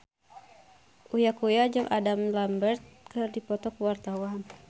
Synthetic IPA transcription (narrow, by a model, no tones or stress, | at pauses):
ʔujakujad͡ʒamʔadamlambərt̪̚kərdipɔt̪ɔkəwart̪awan